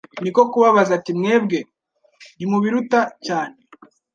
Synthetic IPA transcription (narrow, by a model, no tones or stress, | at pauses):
niko̞kuβaβazatimŋe̞ːb̚ɡe̞ | ɾimuβiɾutacaːne